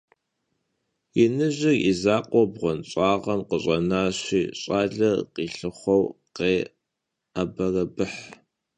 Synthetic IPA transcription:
ɪnɨʑɪrḭzaːqʷʼɔbʁʷɔnɕʼaːʁɐmqəɕʼɐnaːɕʷiːɕʼaːɮɐqiːɬɨχʷɔwqeː | abɐrɐbɨħ

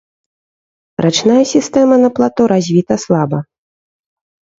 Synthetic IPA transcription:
ɾat͡ʂnajɐsʲist̪ɛmɐnɐplˠat̪ɔɾazʲvʲit̪ɐslˠabɐ

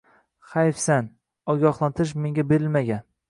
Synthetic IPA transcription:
χajfsan | ɒɡʲɒχlˠant̪ʰɪʃ̬me̞ŋɡʲabeɾɪlmaɡʲan

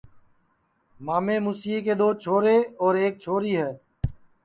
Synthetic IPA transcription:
maːmẽːmusiːkeːd̪oːt͡ʃʰoːɾeːɔːɾeːk̚t͡ʃʰoːɾiːɦɛː

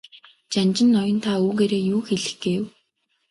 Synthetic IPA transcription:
t͡ɕant͡ɕɪ̆nːɔjɞ̆nt̪ʰauːɣeːɾeːjuːxeɮɘ̆xɡ̥eːw

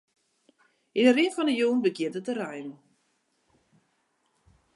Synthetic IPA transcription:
inərɪnfɔndəjuːnbəɡjɪətətərajn

